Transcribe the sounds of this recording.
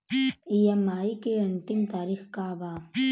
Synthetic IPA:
ijɐmaːikeɐnt̪imt̪aːɾixkabaː

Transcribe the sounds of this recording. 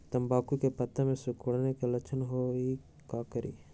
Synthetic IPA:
t̪ɐmbaːkukepɐt̪ːamẽsɪkoɽnekelɐt͡ʃʰənɦoi | kaːkəɾʔḭː

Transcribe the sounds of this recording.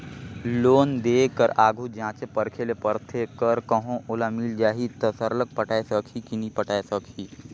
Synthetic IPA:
loːnd̪eːkːəɾaːɡʱud͡ʒãːt͡ʃepəɾkʰelepəɾt̪ʰekəɾkəɦõʔoːlamiːld͡ʒaːɦit̪əsəɾlək̚pəʈaːesəkʰikinipəʈaːesəkʰiː

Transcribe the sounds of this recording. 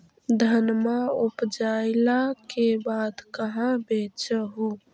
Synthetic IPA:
d̪ʱənmaʊpd͡ʒaːɪlakebaːd̪kəɦãbeːt͡ʃəɦo

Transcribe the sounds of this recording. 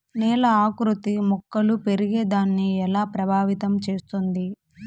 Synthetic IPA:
nɛːlɐaːkɾut̪imɔkːɐlupe̞ɾiɡe̞ːd̪aːnːiɛlaːpɾɐbʱaːʋit̪ɐmt͡ʃe̞ːst̪und̪i

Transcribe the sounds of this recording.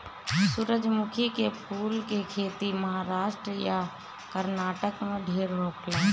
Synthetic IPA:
suɾəd͡ʒmʊkʰikepʰuːlkekʰeːt̪iməɦaːɾaːʃʈɾəja | kəɾnaːʈəkmẽɖʱeːɾɦoːkʰlaː

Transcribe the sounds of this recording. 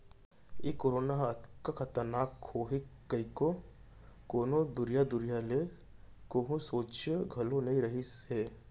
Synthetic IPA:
jekoːɾoːnaɦt̪kakʰɐt̪əɾnaːkhoːɦekəiko | koːnod̪ʊɾijad̪ʊɾijale | koɦũsoːt͡ʃɡʱɐlonɐɦĩɾɐɦiseː

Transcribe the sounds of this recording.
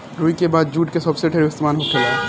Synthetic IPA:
ɾuːikebaːd̪̚d͡ʒuːʈkesɐbseʈʰeːɾʊst̪maːnɦoʈʰelaːe

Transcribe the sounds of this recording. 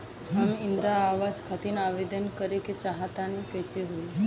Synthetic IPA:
ɦamind̪ɾaːʋaskʰat̪iːnaʋed̪ənkəɾeket͡ɕaɦat̪anikəseɦol

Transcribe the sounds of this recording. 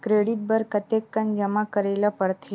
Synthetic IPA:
kɾeːɖɪʈ̚bəɾkət̪ekːɐnd͡ʒəmakəɾeːlapəɽt̪ʰe

